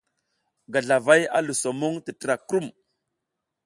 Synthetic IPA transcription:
ɡa˨ɮa˨va˦ja̰˦lu˨so˨mu˦ŋti˨tə˨ɾa˨kɾu˦m

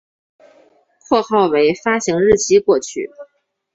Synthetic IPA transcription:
pʰwɔ˥˧xɑ˥˩ʊwe˧˥ɪfa˥ɕi˧˥ŋɻɻ̩˥˩t͡ɕʰi˥kwɔ˥˧t͡ɕʰy̰˥˩

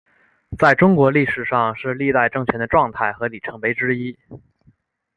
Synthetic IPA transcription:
t͡sa˥˩ɪʈ͡ʂʊ˥ŋkwɔ˧˥li˥˩ʂɻ̩˨˩ʂɑ˥˧ŋʂɻ̩˥˧li˥˧t̪a˥˧ɪʈ͡ʂɤ˥˩ŋt͡ɕʰɥɛ˧˥nd̪ə˧ʈ͡ʂwɑ˥˧ŋt̪ʰa˥˩ɪxɤ˧˥li˨˩ʈ͡ʂʰɤ˧˥ŋpe˧˥ɪʈ͡ʂɻ̩˥i˥

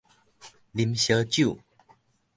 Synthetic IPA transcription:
li˨˦mɕə˧˦t͡ɕju˥˨

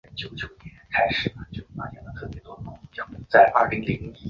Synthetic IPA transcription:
t͡ɕjo˨˩ʊt͡ɕjo˨˩ʊnjɛ˧˥nkʰa˥ɪʂɻ̩˨˩ə˩t͡ɕjo˥˩ʊ˧˩a̰˥njɛ˧˥nd̪ə˧˩t̪ʰɤ˥˩pjɛ˧˥t̪wɔ˥d̪ə˧nʊ˧˥ŋ˥˩t͡ɕjɑ˧˥ŋmu˥˩t͡sa˥˩ɪʔɐ˞˥˩li˧˥ŋli˧˥ŋi˥

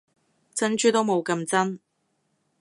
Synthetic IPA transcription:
t͡sɐ˥nt͡ʃyː˥t̪o˥wmo˨˧wkɐ˧mt͡sɐ˥n

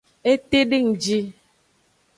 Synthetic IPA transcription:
e˦te˦di˦˨ŋ̩˨d͡ʒi˦

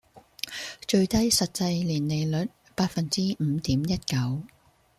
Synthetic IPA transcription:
t͡ʃɵ˧ɥt̪ɐ˥jsɐ˨t̚t͡sɐ˧jliː˨˩nle˨jlɵ˨˥t̚ | paː˧t̚fɐ˨nt͡siː˥m̩˨˧t̪iː˨˥mjɐ˥t̚kɐ˨˥w

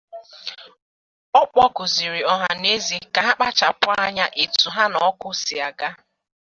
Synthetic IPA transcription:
ɔ˦k͡pɔ˦kʊ˨zi˨ɾi˨ɔ˨ɦa˨ne˦zi˨ka˨ɦa˦k͡pa˦t͡ʃa˨pʊ˦a˦ɲa˦ʔi˨tu˨ɦa˦nɔ˨˦kʊ˦si˨a˨ɡa˦

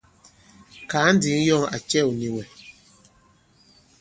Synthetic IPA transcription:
kaː˨˦n̩˦di˨˦ŋ˦jɔ˦˨ŋa̰˨t͡ʃɛ˦˨u˨ni˨wɛ˨

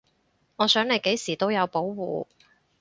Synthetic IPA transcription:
ŋɔː˨˧sœː˨˥ŋle˨˧jke˨˥jsiː˨˩t̪o˥wjɐ˨˧wpo˨˥wwṵː˨˧

